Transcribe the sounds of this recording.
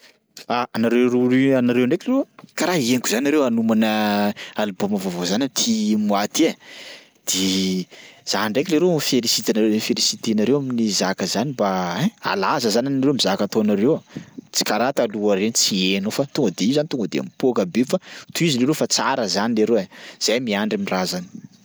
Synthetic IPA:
aanaɾeɾanaɾewɳɖ͡ʐekleɾekaɾaɦieŋkuzanaɾewanumanəaluboməvovozanamit̪ʰimwat̪ea | d̪̥e | z̥aɳɖ͡ʐekʲileɾefelisit̪anaɾefelisit̪eanaɾewaminizakəzanibaea̰lazəzananaɾewmizakat̪oanaɾewt͡si̥kaɾat̪aluaɾenit͡sienofat̪uŋɡəd̪eizanit̪uŋɡəd̪ea̰mipokəbefat̪uizileɾefat͡saɾəzanileɾewaz̥ajmiaɳɖ͡ʐamirazani̥

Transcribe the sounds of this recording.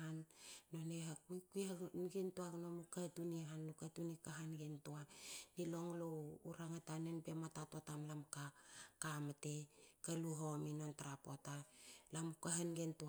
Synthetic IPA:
anːo̞neɦakuikujhanɡentuaɡnomukatuniɦanlukatunikaɦanɡentuanilo̞ŋlouɾaŋatanenbe̞matatotamlamkakamate̞jkaluɦaominontaɾapotalamukaɦanɡentua

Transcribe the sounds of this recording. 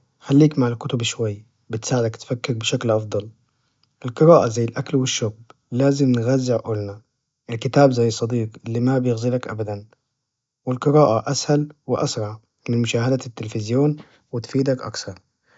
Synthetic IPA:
xalːiːkmaʕɪlkʊt̪ʊbʃwajː | bɪt̪saːʕɪd̪akt̪fakːɪɾbɪʃaklʔɑfd̪ˤɑl | ʔɪlqɨɾaːʔazajːɪlʔaklwɪʃːʊːb | laːzɪmnɣazːɪʕʔʊlna | ʔɪlkɪt̪aːbzajːsˤːɑd̪iːqɪlːimabjɪɣzilakʔa̰bad̪an | wɪlqɨɾaːʔaʔashalwɪʔɑsɾˤɑʕ | mɪnmʊʃaːhad̪at̪ːɪlfɪzjoːn | wɪt̪fiːd̪akʔɑ̰kθɑɾˤ

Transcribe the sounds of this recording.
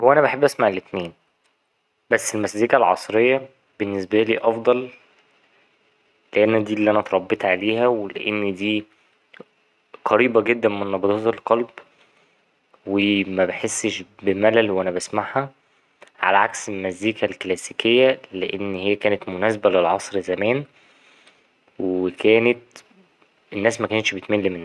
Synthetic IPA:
owːʔænæbaħebːʔæsmaʕelet̪k̪meːn | bæsːelmæsd̪iːkælʕɑ̰sˤɾejːɑ | b̥enːes̬bæliːʔɑfd̪ˤɑl | leʔænːæd̪iːlːiːʔænæt̪ɾˤɑbːet̪ˤʕaleːhæwelḛʔenːd̪iː | qɑɾiːbæɡed̪ːænmenːɑbɑd̪ˤɑt̪elqɑlb | wemæbeħesːeʃbemælælwʔænæbæsmaħhæ | ʕa̰læʕakselmæziːkælklæsiːkejːæleʔenːhejːækæːnet̪monæːs̬æbælelʕɑsˤɾzæmæːn | weekʰæːnet̪ | enːæːsmækæːnet̪ʃbet̪melːimenː

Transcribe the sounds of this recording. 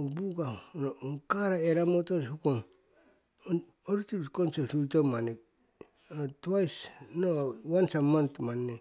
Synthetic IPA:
obuɡa | kaɾaeɾamotoshukoŋ | n | oɾitikonsesutomanek | otuajsnowansamantmanːe

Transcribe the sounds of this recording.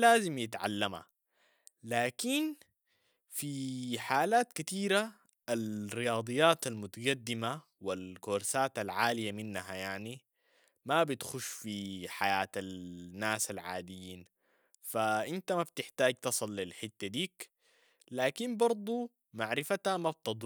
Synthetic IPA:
laːzimjɪt̪ʕa̰lːama̰ | laːkin | fiħaːlaːt̪kat̪iːɾa | ʔalɾijɑːd̪ˤɨjːaːt̪almʊt̪aɡad̪ːima | wilkoːɾsaːt̪alʕaːlijaminːɦajaʕni | mabit̪xuʃːfiħajaːt̪alnːaːsalʕa̰ːd̪ijiːn | faʔint̪amab̚t̪ɪħt̪aːɡ̚t̪ɑsˤɨlːilħɪt̪ːad̪iːk | laːkinbɑɾˤd̪ˤu | maʕɾɪfat̪amab̚t̪ɨd̪ˤ

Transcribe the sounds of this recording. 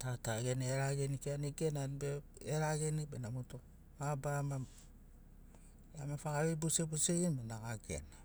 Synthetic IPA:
tataɡeneɾaɡenikianiɡenanbe | eɾaɡenikbenamuto | mabama | amefaɡaβebusebuseɡinmenaɡaɡḛna

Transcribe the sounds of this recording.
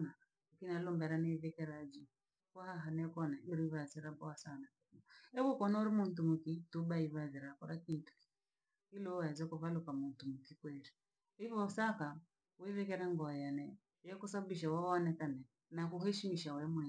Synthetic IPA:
na | akinalɔmbɛɾanɛivɛkɛɾad͡ʒi | kwahaɦanɛkɔnaiɾiβazɛɾaɓɔasana | ɛβɔkɔnauɾimuntumukitubaiβazɛɾakɔɾakintu̥k | ilɔazɔkɔβalukamuntumukikwɛɾi | ivɔsaka | wɛvɛkɛɾaŋɡɔajanɛ | jɛkusababiʃ̬awaɔnɛkanɛ | nakuhɛʃimiʃawɛmwɛ

